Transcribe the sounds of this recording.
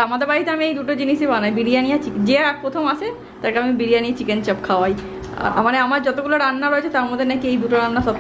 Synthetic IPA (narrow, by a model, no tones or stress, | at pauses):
amad̪eɾbaɾit̪eamiejd̪uʈod͡ʑiniʃebanajbiɽijanijat͡ɕikd͡ʑeapɾot̪ʰomat͡ɕʰe | t̪aɾkeamibiɽijanijat͡ɕikent͡ɕapkʰaaj̰ | maneamaɾd͡ʑɔt̪oɡuloɾanːaɾoet͡ɕʰet̪aɾmod̪ʱːenakiejd̪uʈoɾanːaʃɔb